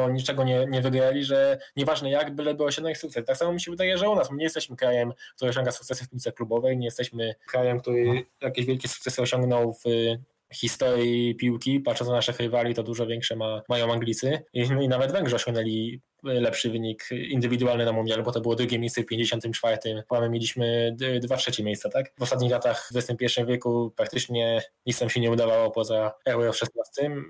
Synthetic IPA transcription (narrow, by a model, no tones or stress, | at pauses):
ɔɲit͡ʂɛɡɔɲɛɲɛvɘɡɾalʲiʐɛɲɛvaʐnɛjaɡbɘlɛbɘwɔɕɛnaɲixsuk̚t̪sɛst̪aksamɔmʲiɕɛvɘd̪ajɛʐɛunasmɲɛjɛst̪ɛɕmɘkɾajɛmkt̪uɾɘɔɕ̬ɔ̃ŋɡasukt̪ɛsɨfpumʲit̪sɛklubɔvɛjɲɛjɛst̪ɛɕmɘkɾajɛmk̚t̪uɾɘjakʲeɕvʲjɛlkʲɛsuk̚t̪sɛsɨɔɕɔŋɡnɔwv | xʲist̪ɔɾjipʲiwkʲipat̪t͡ʂɔnsanaʂɛxɾivalʲit̪ɔd̪uʐɔvʲjɛŋkʂɛmamajɔ̃w̃aŋɡlʲit̪sɘinavɛd̪vɛŋɡʐɛɔɕɔ̃ŋɡnɛlʲi | lɛpʂɘvɘɲikind̪ɘvʲid̪uwalnɘnamumʲalɛbɔt̪ɔbɘwɔd̪ɾuɡʲemʲejsɛfpʲjeɲd͡ʑeɕɔnt̪ɘmt͡ʂfaɾt̪ɘmammʲelʲiɕmɘd̪vatʂɛt͡ɕɛmʲjejst̪sat̪akvɔst̪at̪̬̚ɲixlat̪axɛsɘmpʲjɛɾfʂɨmvʲjɛkupɾak̚t̪ɘt͡ʂɲɛɲit̪samɕɛɲɛud̪avawɔpɔzaɛwɛɔʂɛst̪nast̪ɘm